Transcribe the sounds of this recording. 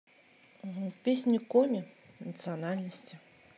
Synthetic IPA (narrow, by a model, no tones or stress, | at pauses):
pʲesʲnʲɪkomʲɪ | nət̪sɨanalʲnəsʲtʲɪ